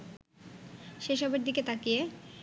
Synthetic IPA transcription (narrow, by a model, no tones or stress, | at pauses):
ʃeʃɔbeɾd̪iket̪akije